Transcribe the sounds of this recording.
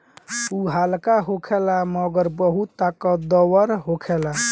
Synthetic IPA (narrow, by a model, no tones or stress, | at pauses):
uɦalkaɦokʰelaməɡəɾbəɦut̪ːakəd̪əwəɾɦokʰela